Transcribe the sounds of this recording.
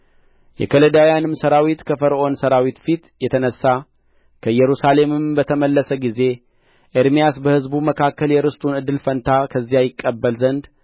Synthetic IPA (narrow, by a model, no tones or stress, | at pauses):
jɛ̰kʰələd̪ajanɨmːsəɾawit̪kʰəfəɾʔonsəɾawit̪fit̪jɛt̪ʰənəsːa | kʰəjɛɾusale̞mɨmbət̪ʰəməlːəsəɡize̞ | ʔeɾmijasbəhɨzbuməkʰakːəljɛɾɨst̪ʼunɨd̪ːɨlfənt̪ʰakʰəzːijajɪkʼːəbːəlzənd̪